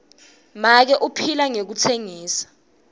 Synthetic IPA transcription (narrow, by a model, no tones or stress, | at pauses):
mak̬ɛʔupʰilaŋek̬utʰeŋiːsḁ